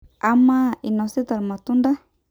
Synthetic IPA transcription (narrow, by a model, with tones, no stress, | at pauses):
a˦ma˦i˨nɔ˨se˦t̪a˨lma˨t̪u˦nda˦